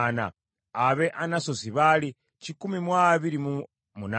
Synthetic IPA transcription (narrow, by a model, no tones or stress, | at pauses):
na̰ː | βeʔanasosiβali | cikumimwaβiɾimu | muna